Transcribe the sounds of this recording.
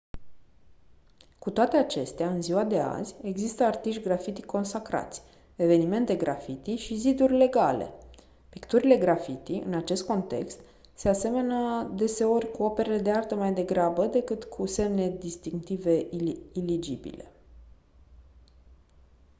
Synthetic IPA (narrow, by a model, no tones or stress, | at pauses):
kut̪oat̪e̞at͡ʃe̞st̪eaɨnziwad̪e̞a̰zʲe̞ɡzist̪əart̪iʃtʲɡɾafit̪i̥kʰːo̞nsakɾa̰t̪sʲ | e̞ve̞nime̞nt̪e̞ɡɾafit̪iʃizid̪urʲle̞ɡale̞̰ | pikt̪uɾile̞ɡɾafit̪ḭʔɨ̰nat͡ʃe̞st̪̚ko̞nt̪e̞̰kst̪ | se̞ase̞me̞nəd̪e̞se̞o̞rʲkuope̞ɾeled̪eart̪əmajd̪e̞ɡɾabəd̪e̞kɨt̪kʰuse̞mne̞d̪ist̪iŋk̚t̪ive̞ʔilid͡ʒḭbḭle̞